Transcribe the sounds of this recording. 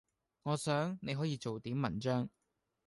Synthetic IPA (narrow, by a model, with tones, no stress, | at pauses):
ŋɔː˨˧sœː˨˥ŋne˨˧jɦɔː˨˥jiː˧t͡so˨wt̪iː˨˥mːɐ˨˩nt͡ʃœː˥ŋ